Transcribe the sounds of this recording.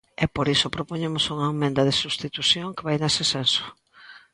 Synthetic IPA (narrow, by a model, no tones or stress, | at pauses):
ɛpoɾisopɾopoɲemʊsuŋɐemẽnd̪ɐðesust̪it̪uθjoŋkeβajnesɪsenso̥